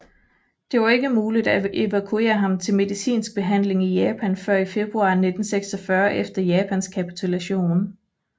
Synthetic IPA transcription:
d̥e̝ʋɐe̝ɡ̥əmuːlid̥æeʋækʰue̝̰ːɐɦɑ̈mt͡sʰe̝lme̝ðˠisḭːnsɡ̥̚b̥e̝ɦæn̰le̝ŋijɛːpʰænfɶɐ̰ife̝b̥ʁuɑ̰̈ːne̝d̥n̩seɡ̥sɒfɶɐʔefd̥ɐjɛːpʰænskʰæpi̥t͡sʰulæɕo̝̰ːn

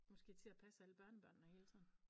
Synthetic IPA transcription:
mɒ̽sɡ̥e̝̰ːt͡sʰe̝æpʰæsəæləb̥ɶɐnəb̥ɶɐ̰nːnəhe̝ːlsʰɒn̩

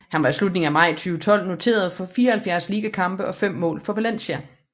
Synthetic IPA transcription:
hænʋɑ̈islud̥̚ne̝ŋæmɑ̈ɪ̰t͡sʰyːʊət͡sʰɒ̽l̰no̝t͡sʰe̝̰ːɐð̞̩ˠfɒ̽fiːɐhælfjæɐsliːɡ̥əkʰɑ̈mb̥əʔɒ̽fem̰ːɔ̰̽ːlfɒ̽ʋelen̰ɕæ

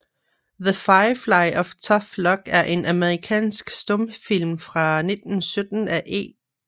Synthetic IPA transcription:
ðəfɑɪflɑ̈ɪʔɒʋt͡sʰɒflɒ̽ɡ̥æɐʔe̝nʔæməʁikʰɛ̰ːnsɡ̥sd̥ɔmfil̰mfʁɑ̈ne̝d̥n̩sød̥n̩æʔe̝̰ː

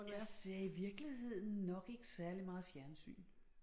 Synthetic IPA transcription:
jæseɐiʋiɐɡ̥lihe̝ð̞̰ˠn̩nɒ̽ɡ̥e̝ɡ̥əsæɐlimɑ̈ːð̞̩ˠfjæɐnsy̰ːn

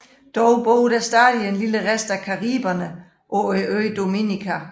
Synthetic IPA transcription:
d̥ɒʊb̥o̰ːɾ̥æsd̥æːdie̝nliləʁesd̥ækʰɑʁiːb̥ɐnə | ʔɒiøːd̥o̝minikʰæ

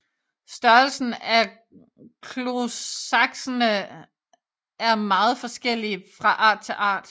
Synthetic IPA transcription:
sd̥ɶɐlsn̩æ | kʰloɑɡ̥sɐnə | æɐmɑ̈ːð̞̩ˠfɒ̽sɡ̥el̰ifʁɑ̈ʔɑ̰̈ːd̥̚t͡sʰe̝ʔɑ̰̈ːd̥

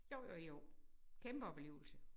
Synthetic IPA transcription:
joʊjojokʰemb̥əɒb̥le̝ːʊl̩sə

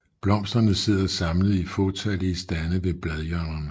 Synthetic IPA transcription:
b̥lɒ̽m̰sd̥ʁɐnəse̝ð̞̰ˠɐsɑ̈mləð̩ˠifot͡sʰæliəsd̥ænəʋe̝b̥lɛðˠjœnɐn

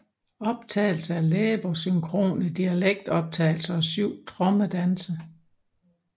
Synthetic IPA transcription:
ɒ̽b̥̚t͡sʰɛ̰ːl̩səæɐleːb̥osyŋkʰʁo̝̰ːnəd̥iæleɡ̥̚d̥ɒ̽b̥̚t͡sʰɛ̰ːɪl̩səɒ̽syʊ̰t͡sʰʁɔ̽məd̥ænsə

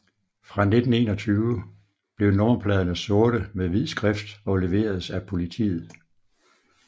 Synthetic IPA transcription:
fʁɑ̈ne̝d̥n̩e̝̰ːnɒ̽t͡sʰyːʊə | b̥le̝ʊnoːɐpʰlɛðˠənəsoːɐɾ̥əmeðʋið̰ˠsɡ̥ʁɛfd̥ɒ̽le̝ʋe̝̰ːɐðˠsæpʰo̝lit͡sʰḭːð̩ˠ

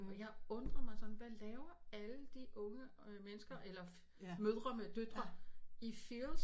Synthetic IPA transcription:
jɑ̈ɪɔ̽nd̥ʁɐmɑ̈ɪsɒ̽nn̩ʋælɛːʊɐæləd̥iʔɔ̽ŋəmenəsɡ̥ɐʔelɐ | møðˠʁɐmed̥ød̥ɐifils

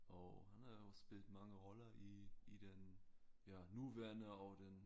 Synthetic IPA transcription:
ʔoʊhanəospiːltmaŋəʁɔlɐiiːdenjaːnuːvɛɐnəaʊd̥en

